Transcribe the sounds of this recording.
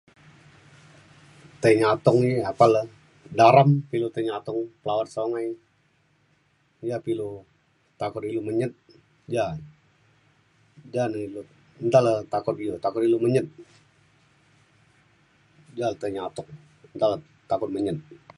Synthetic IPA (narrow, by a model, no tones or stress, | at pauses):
t̪əɲat̪ɔŋiapaləh | daɾampilut̪əɲat̪ɔŋpəlawat̪̚soŋaj | japilu | t̪akʊt̪iluməɲət̪̚ | d͡ʒa | d͡ʒanəilu | ənt̪alət̪akʊt̪̚ilut̪akʊt̪iluməɲət̪̚ | d͡ʒalt̪əɲat̪ʊŋ | ənd̪alə | t̪akʊt̪̚məɲət̪̚